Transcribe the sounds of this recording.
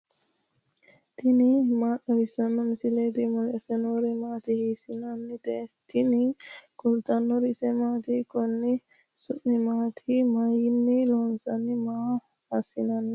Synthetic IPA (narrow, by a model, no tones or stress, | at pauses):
t̪ʰinimaːt̪ɐʋisɐnːɐmisiled̪imulesenoɾimaːt̪ihisinɐnːit̪et̪ʰinikult̪ɐnːoɾisemaːt̪ikonːi | suʔmimaːt̪ʰimajinːiloːnsɐnːimaː | ɐsinɐnːi